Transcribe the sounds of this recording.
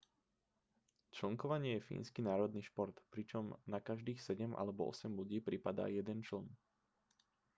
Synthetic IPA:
t͡ʃl̩ŋkɔʋaɲɪɛjɛfḭːnskinaːɾɔd̪niːʃpɔɾt̪pɾit͡ʃɔmnakaʒd̪iːxsɛɟɛmʔa̰lɛbɔ̰ɔ̰sɛmluɟiːpɾipad̪a̰ːjɛd̪ɛnt͡ʃl̩n

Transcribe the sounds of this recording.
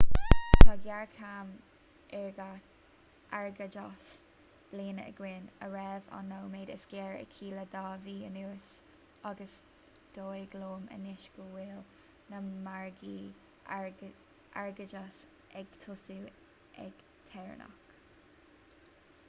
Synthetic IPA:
t̪ʰaɡjaɹkʰam | ɛɹɡa | ʔaɹɡəd͡ʒɔs | b̥leːnə̰ɡ̥wɪnəɹɛva̰nːowmeːd̪ə̰sɡ̥ɛːɹɛ̰kʰiːləd̪ɑːviːənuːəs | aɡəs | d̪̥oːjɡloːmə̰nɪʃɡ̥əwɪːl | nəmaɹɡiː | ʔa̰ɹɡəd͡ʒas | ʔɛɡ̥t̪ʰʊsuː | ʔɛ̰ɡ̥ | t̪ʰɛɹ̰nɔ̰k

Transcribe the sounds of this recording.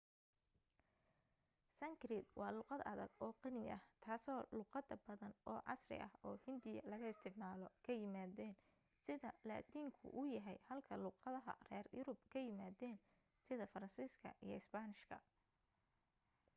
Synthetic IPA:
sɐŋkɾɪd̪wɑːlʊːqɑd̪ɐðɐɡɔːqɑnɪjɐ̰ht̪ʰaːsɔːluːqɑd̪ɐbɐðɐnʔɔːʕɑ̰srɪ̰ʔɐhɔːhɪnd̪ɪjɐ̰lɐɣɐɪst̪ʰɪʕmaːlɔkʰɐjɪmaːðɛːn | sɪðɐla̰ːt̪ʰiːŋkʰʊ̰ʔʊjɐɦɛjhɐlkʰɐluːqɑðɐɦɐ̰rɛ̰ːrjʊɾʊb̚kʰɐjɪmaːðɛːn | sɪðɐfɐɾɐnsiːskʰɐ̰ʔḭjɞ̰ɪsbanɪʃkʰɐ̰

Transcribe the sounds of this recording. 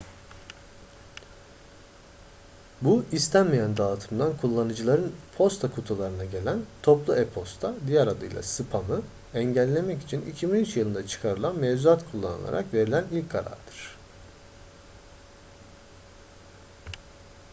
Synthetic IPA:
buist̪ʰænmejænd̪aːt̪ʰɯmd̪ankʰulˠːanɯd͡ʒɯlˠaɾɯnpʰo̞st̪ʰakʰut̪ʰulˠaɾɯnaɟe̞lʲænt̪ʰo̞plˠuɛpʰo̞st̪ʰad̪ijæɾad̪ɯ̰jlˠa̰sɯpʰamɯ | ɛɲɟælʲːe̞mɛci̥t͡ʃʰinḭcʰibinyt͡ʃjɯlˠɯnd̪at͡ʃʰɯ̥kʰaɾɯlˠanmevzuat̪kʰulˠːa̰nɯ̰lˠa̰ɾa̰kve̞ɾilʲænilʲcʰkʰaɾa̰ɾd̪ɯɾ̥

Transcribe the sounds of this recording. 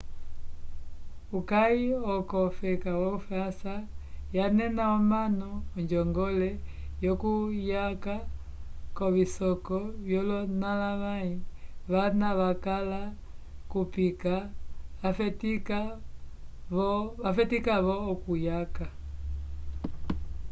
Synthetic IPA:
ukaiɔkɔfɛkawɔufasajanɛnaɔmanɔːɲd͡ʒɔŋɡɔlɛ | jɔkujaka | kɔβisɔkɔβjɔlɔnalamaiβanaβakala | kupikaafɛtika | βɔafɛtikaβɔːkujaka

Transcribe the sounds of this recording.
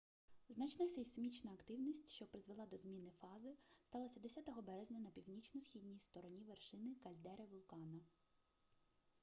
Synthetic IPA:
znɑt͡ʃnɐsʲesmʲit͡ʃnɐːkt̪ɪwnʲisʲtʲʃt͡ʃɔpɾɪzʋelˠɑd̪ɔzmʲinɪfɑzɪst̪ɑlˠɐsʲɐd̪esʲat̪ɔɦɔbɛɾezʲnʲɐnɐpʲiwnʲit͡ʃnɔsxʲidʲnʲijst̪ɔɾɔnʲiʋerʃɪnɪkɐlʲd̪ɛɾɪʋʊlˠkɑnɐ

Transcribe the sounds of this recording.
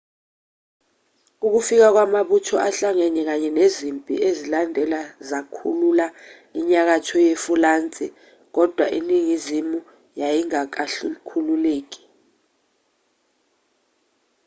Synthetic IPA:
uk̬ufik̬ak̬wamaɓutʰɔʔaɬaŋɛɲɛk̬aɲɛnezimpʼḭezilandʱɛlazakʰṵlula | iɲak̬atʰɔjefulaːnt͡sʼi | k̬ɔd̥ʱwaʔiniŋizimu | jajiŋakaɬukʰululeːk̬i̥

